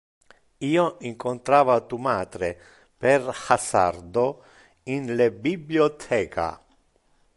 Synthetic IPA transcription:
iːoiŋkont̪ɾaːvat̪umaːd̪ɾe | perhasa̰rd̪o | inlebibljiot̪ʰɛːkʰa̰

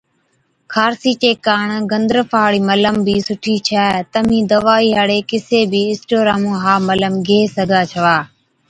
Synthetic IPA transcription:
kʰaːɾsiːt͡ʃeːkaːɳɡənd̪ɾəpʰaːɽiːmələmbʱiːsʊʈʰiːt͡ʃʰaːt̪əmĩːd̪əʋaːiːɦaɽeːkɪseːbʱiːɪsʈoːɾaːmũːɦaːmələmɡʱeːsəɡʱaːt͡ʃʰəʋaː

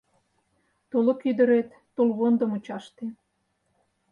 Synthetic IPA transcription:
t̪olŏkyd̪ə̆ɾet̪ːolβond̪ə̆mut͡ɕɑʃt̪e

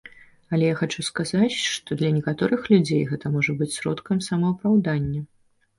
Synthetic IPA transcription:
ɐlʲɛjaxat͡ʂuskazat͡sʲʂt̪ɔd̪lʲɐnʲɛkat̪ɔɾɨxlʲud͡zʲejɣɛt̪ɐmɔʐɐbɨt͡sʲsɾɔ̰t̪kɐmsɐmɐupɾawd̪anʲːɐ

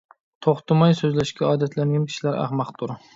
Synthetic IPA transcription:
t̪ʰoχt̪ʊmɒjsɵzlaʃkʲaɒd̪at̪ʰlaŋɡʲankʲʰɪ̥ʃlaɾa̰hmɑqt̪ʰʊɾ

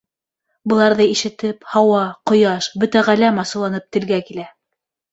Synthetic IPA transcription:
bɤ̆lˠɑɾðɤiʃɘ̆t̪ɘphɑwɑqŏjɑʃbɵt̪æʁælæmɑsɤ̆lˠɑnɤp̚t̪ɘ̆lɡækilæ

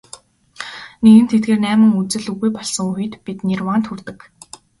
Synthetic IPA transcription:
neɣɘ̆nt̪ʰet̪̚ɡeːrnæːmɘ̆ŋut͡sɘ̆ɮuɣujpɔɮsɞ̆ŋuxɘ̆t̪pit̪nʲirwant̪ʰxurt̪ɘ̆k

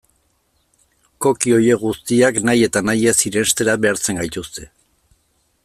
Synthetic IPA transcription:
ko̞kio̞je̞ɣust̪iaknaje̞t̪anajesiɾe̞st̪e̞ɾaβe̞aɾt͡se̞ŋɡajt̪ust̪e̞

